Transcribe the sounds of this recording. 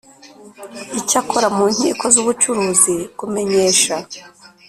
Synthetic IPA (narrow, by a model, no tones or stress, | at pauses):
icakʰoɾamuːn̥hḭːkʰo̞zuːβut͡ʃuɾuːziɡ̥ume̞ɲe̞ːʃa